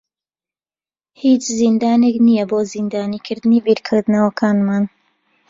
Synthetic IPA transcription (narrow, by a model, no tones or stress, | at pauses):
hiːt͡ʃzind̪aːneknijɐboːzind̪aːniːkʰɨɾd̪ɨniːbiɾkʰɪɾd̪nɐwɐkʰaːnmaːn